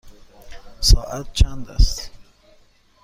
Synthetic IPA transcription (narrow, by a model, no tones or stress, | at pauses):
sɒːʔat̪̚t͡ʃʰænd̪æ̰st̪